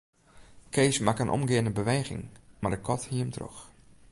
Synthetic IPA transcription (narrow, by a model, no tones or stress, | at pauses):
kʰeːsmakənʔɔ̰mɡɪənəbəʋeːɣɪ̰ŋmardəkʰɔthiəmtʰro̰x